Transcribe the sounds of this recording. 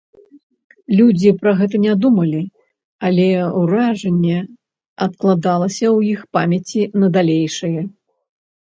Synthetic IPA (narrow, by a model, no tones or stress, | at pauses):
lʲud͡zʲipɾɐɣɛt̪̬ɐnʲɛd̪umɐlʲi | alʲɛwɾaʐɐnʲːɛ | ɐt̪klˠad̪alˠɐsʲɐwjixpamʲɐt͡sʲinɐd̪alʲejʂɐjɛ